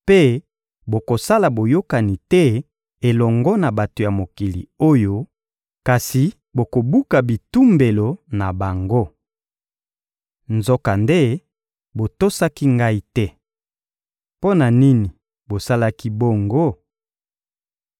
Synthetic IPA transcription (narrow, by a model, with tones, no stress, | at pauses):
pe˦ | bo˨ko˨sa˦la˨bo˨jo˦ka˨ni˨tɛ˦ | e˨lɔ˨ŋɡɔ˦na˨ba˨to˨ja˨mo˨ki˨lḭ˨o˦jo˦ | ka˨si˨ | bo˨ko˨bu˦ka˨bi˨tu˦mbe˨lo˨na˨ba˨ŋɡo˦ | nzɔ˦ka˨nde˦ | bo˨to˦sa˦ki˦ŋɡa˦i˦tɛ˦ | po˦na˨ni˦ni˨ | bo˨sa˦la˦ki˦bo˦ŋɡo˦